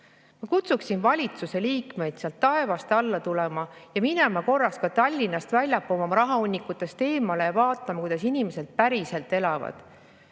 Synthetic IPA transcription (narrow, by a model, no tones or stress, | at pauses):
mɑkut̪suksinvɑlʲit̪suse̞liːkme̞jd̪̥seɑlt̪ːɑe̞vɑst̪ɑlːɑt̪ulemɑjɑminemɑko̞rːɑskɑt̪ɑlʲːinːɑst̪vælʲjɑpːumɑmɑɾɑɦɑonʲːikːˑut̪ːˑe̞st̪e̞ːmɑle̞jɑvɑːt̪ːˑɑmɑkujd̪̥ɑsinime̞se̞lt̪̚pæɾise̞lt̪ːˑe̞lɑvɑ̰d̪̥